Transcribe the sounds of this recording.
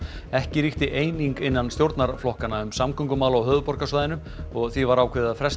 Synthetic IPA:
ɛhcɪɾiht̪ɪʔeːjniŋkɪnːanst̪jowɾt̪naɾflɔhkanːaʏmsamkʰʏŋkʏmawlawɦœːvʏpɔr̥kasvaːjðɪnʏ | ɔɣθivaɾaːwkʰvɪːðaðfɾɛst̪

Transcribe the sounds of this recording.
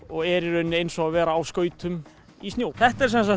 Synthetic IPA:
ɔɣɛɾɪɾœnːɪejnsɔavɛːɾaːwskœːɥt̪ʏm | ist̪joːwθɛht̪aɛɾ̥sɛnsa

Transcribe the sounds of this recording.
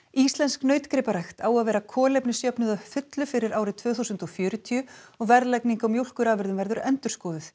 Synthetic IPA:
ist̪lɛnsknœːɥt̪kɾɪːpaɾajxt̪aːwaðvɛːɾakʰɔːlɛjpnɪsjœpnʏðafʏt̪lʏfɪɾɪɾaːwɾɪt̪ʰv̥œːθusʏnt̪ɔfjœːɾʏt̪ʰiʏɔɣvɛɾðlɛkniŋkawmjuwl̥kʏɾaːvɛɾðʏmvɛɾðʏɾɛnt̪ʏɾ̥skɔːðɪθ

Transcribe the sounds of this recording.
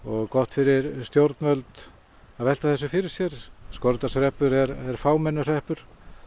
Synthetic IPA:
ɔɣkɔht̪fɪɾɪɾst̪jowɾt̪nmœlt̪ | aðvɛlt̪aθɛsːʏfɪɾɪɾ̥sjɛɾskɔɾt̪asɾɛhpʏɾɛɾɛɾ̥faːwmɛnːʏr̥ɛhpʏɾ̥

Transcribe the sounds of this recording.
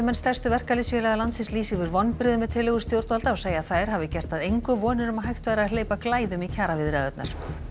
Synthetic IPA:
mɛnst̪ɛr̥st̪ʏvɛr̥kalɪsfjɛːlaɣðalant̪sɪnsliːsɪvʏɾvɔnːpɾɪðʏmɛðt̪ʰɪlːɪɣʏɾ̥st̪jowɾt̪alt̪aɔseːjaðθaːjɾ̥ɦavɪcɛr̥t̪aðejŋkʏvɔːnɪɾʏmaɦajht̪vajɾaaleːjpaklaːjðʏmicʰaːɾavɪðɾɪaðœt̪na̰ɾ̥

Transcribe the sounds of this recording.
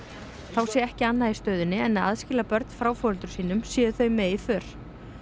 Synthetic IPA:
θawsjɛɛhcɪanːaist̪œɥðʏnːɪɛnːaðaðscɪːlapœɾt̪n̥fɾawfɔːɾʏlt̪ʏ̥ɾ̥siːnʏmsjɛːðʏθœɥmɛðifʏːɾ̥

